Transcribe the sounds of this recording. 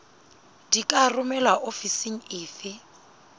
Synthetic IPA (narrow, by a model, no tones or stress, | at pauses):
dikʼarʊmɛlaʔofisiŋ̩ɪːfɪ